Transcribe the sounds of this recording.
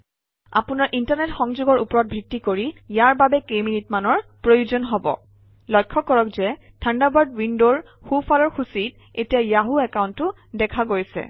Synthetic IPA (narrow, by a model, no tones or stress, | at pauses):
a̰pʊnaɹʔintaɹnɛtxɔŋzuɡɔɹupɔɹɔt̚bʱɹitːikoɹijaɹbabɛkejminitmanɔɹpɹojuzɔnɦɔbɔ̰ | lɔjkʰːɔkɔɹɔkzɛ | tʰandabaɹdwindoɹ | xufʰalɔɹxusit | etijajaɦuɛkawntːʊ | dɛkʰaɡojsɛ̰